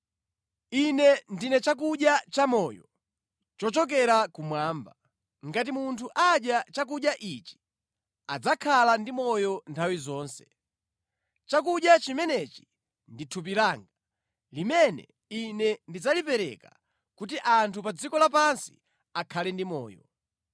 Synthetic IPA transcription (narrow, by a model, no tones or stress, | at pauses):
inɛndinɛt͡ʃak̬uɗjat͡ʃamɔːjɔ | t͡ʃɔt͡ʃɔk̬ɛɾakumwaːmba | ŋɡat̬imuntʰuʔaɗjat͡ʃak̬uɗjaʔit͡ʃi̥ | ad͡zakʰalandimɔjɔntʰawizɔːnsɛ̥ | t͡ʃakuɗjat͡ʃimɛnɛt͡ʃi̥ | nditʰup̬iɾaːŋɡa | limɛnɛ̰ | inɛndid͡zalipɛɾɛ̰ka | kutiʔantʰupad͡zikɔlapansi̥̰ | akʰalɛndimɔ̰ːjɔ